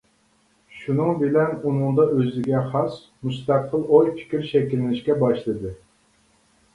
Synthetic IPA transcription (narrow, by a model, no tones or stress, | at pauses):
ʃunɨŋbɪlɛnunɨŋd̪ɑʔøzɪɡʲɛχɑs | must̪æqʰːəlˠojpʰɪ̥kʲiɾʃɛkʲilɪnɪʃkʲɛbɑʃlˠɨd̪ɨ